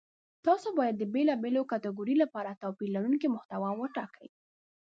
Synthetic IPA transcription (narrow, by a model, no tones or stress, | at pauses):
t̪ɑsobɑjad̪ːəbelɑbelokat̪aɡuɾilapɑɾat̪ɑpilaɾunkimʊht̪awɑwəʈɑkawi